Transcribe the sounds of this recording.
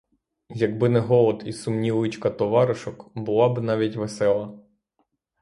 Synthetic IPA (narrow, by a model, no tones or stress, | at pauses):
jɐɡbɪnɛɦɔlˠɔd̪isʊmnʲiʋɪt͡ʃkɐt̪ɔʋɑɾɪʃɔkbʊlˠɑbɪnɑʋʲitʲʋesɛlˠɐ